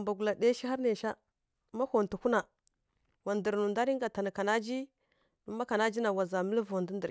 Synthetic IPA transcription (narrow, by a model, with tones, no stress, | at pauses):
mba˨ɡu˨la˨de˦ʃi˦ɦa˦ɾne˨ʃa˦ | ma˦ho˨ntu˨hu˦na˨ | wa˨ndə˨ɾnu˨nda˦ɾi˦ŋɡa˨ta˨n˨ka˨na˦d͡ʒi˦ | du˦ma˦ka˨na˦d͡ʒi˦na˨wa˨za˨mə˦lvo˨ndu˦ndə˨ɾ